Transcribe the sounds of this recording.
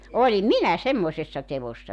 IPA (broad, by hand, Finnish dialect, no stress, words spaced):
olim minæ semːoĭsesːɑ teʋosːɑ